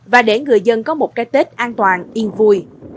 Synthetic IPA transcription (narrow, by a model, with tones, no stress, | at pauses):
vaː˨˩ɗe˧˩ŋɨ˨˩əjzə˧nkɔ˨˦mo˨˩t̚kaː˨˦jt̪e˦˥t̚ʔaː˧nt̪waː˨˩nʔi˧ənvu˧j